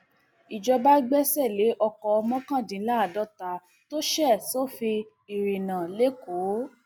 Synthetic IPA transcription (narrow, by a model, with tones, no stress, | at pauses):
i˨d͡ʒɔ˧ba˦ɡ͡bɛ˦sɛ˦˨le˨˦ʔɔ˧kɔ˧ɔ˧mɔ̃˦kã˦˨dĩ˨˦la˦˨dɔ˦ta˨˦ | to˦ʃɛ˦˨so˦˨fi˧ | i˨ɾi˨nã˨le˨˦ko˨˦